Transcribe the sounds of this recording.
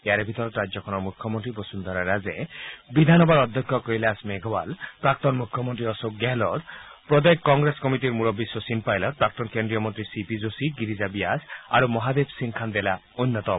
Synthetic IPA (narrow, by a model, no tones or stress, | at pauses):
eaɾebʱit̪ɔɾɔt̪ɾad͡ʒjɔkʰɔnɔɾmukʰːjɔmɔnt̪ɾibɔsund̪ʱaɾaɾazebid̪ʱanɔbaɾɔd̪ʱjɔkʰːjɔkɔilasmeɡʱɔba̰lpɾak̚t̪ɔnmukʰjɔmɔnt̪ɾiɔsokɡɛlɔtpɾɔd̪ajkkːɔŋɡɾeskɔmiʈiɾmuɾɔbːisːɔsinpajlɔt̪̚pɾak̚t̪ɔnkendɾijɔmɔnt̪ɾisipizosiɡiɾizabiasaɾumɔɦad̪ebʱsiŋkʰand̪ela | unːɔt̪ɔ